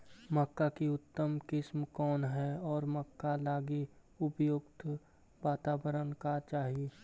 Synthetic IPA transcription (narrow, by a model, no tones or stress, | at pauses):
məkːakiʊt̪ːəmkɪsmkɔːnɦɛɔːɾməkːalaːɡi | ʊpjʊɡt̪ | ʋaːt̪aːbəɾənkat͡ʃaːɦieː